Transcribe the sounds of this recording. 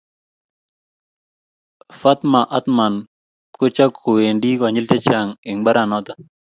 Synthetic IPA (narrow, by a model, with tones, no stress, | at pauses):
fa˦t̪ma˨ʔa˦t̪ma˨n | kʊ˦t͡ʃa˦kʰo˨we˨ndi˦kɔ˨ɲi˦lte˦t͡ʃa˨ŋɪ˨ŋba˦ɾa˨nɔ˦t̪a˦